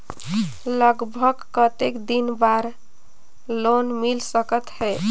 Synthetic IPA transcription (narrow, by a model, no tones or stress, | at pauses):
ləɡbʱəɡkət̪ekd̪inbaɾ | lonmilsəkət̪ɦɛ